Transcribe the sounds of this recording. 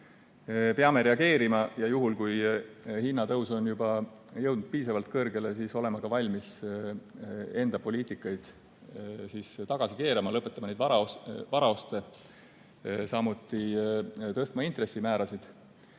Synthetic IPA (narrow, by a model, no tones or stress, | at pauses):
peɑme̞ɾe̞ɑɡe̞ːɾimɑjɑjuɦulkujhinːɑt̪ɤwso̞njubɑjɤwd̪nud̪̥̚piːsɑvɑlt̪̚kɤrɡ̥e̞le̞siso̞le̞mɑkɑvɑlʲmis | e̞nd̪̥ɑpo̞liːt̪ikːˑɑjd̪̥ | siːst̪ɑɡ̥ɑsike̞ːɾemɑlɤpːˑe̞t̪ːˑɑmɑned̪ɑvɑɾɑo̞st̪e̞ | sɑmut̪ːˑit̪ɤst̪mɑint̪re̞simæːɾɑsid̪̥